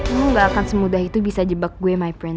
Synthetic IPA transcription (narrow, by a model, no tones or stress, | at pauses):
muŋɡaːkansəmudahit̪ubisad͡ʒəbak̚ɡuɛmajpɾɛn